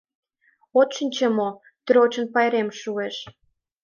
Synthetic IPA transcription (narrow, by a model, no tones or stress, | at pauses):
ot̪ʃinʲt͡ɕemo | t̪y̆ɾot͡ɕə̆npɑjɾemʃueʃ